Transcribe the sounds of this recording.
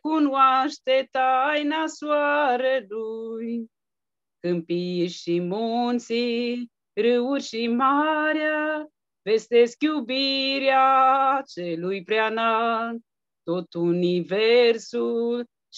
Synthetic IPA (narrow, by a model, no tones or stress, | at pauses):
kunwaʃt̪et̪ajnaswaɾeluj | kɨmpiʃimunt̪si | ɾɨurʲʃimaɾja | ve̞st̪eskjubiɾat͡ʃelujpɾeanat̪ | t̪ːot̪universul